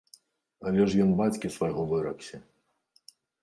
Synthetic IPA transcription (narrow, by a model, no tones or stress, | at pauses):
ɐlʲɛʐjɔnbat͡sʲkʲisvɐjɣɔvɨɾɐksʲɐ